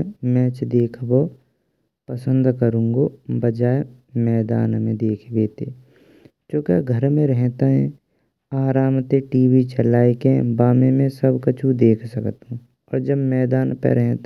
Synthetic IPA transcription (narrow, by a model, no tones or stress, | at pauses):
mɛːt͡ʃd̪eːkʰbo | pɐsə̃nd̪kəɾũːŋɡobɐd͡ʒaːe | mɛːd̪a̰ːnmẽd̪eːkʰbeːt̪eː | t͡ʃõːkaɡʱəɾmẽɾɛɦt̪aɦɛ̃ | aːɾaːmt̪eʈiːʋit͡ʃɐlaːekẽbaːmẽmẽsɐbkɐt͡ʃʰũd̪eːkʰsɐkt̪ɦũː | ɔ̰ːɾd͡ʒəbmɛːd̪aːnpɛ̰ɾɛɦt̪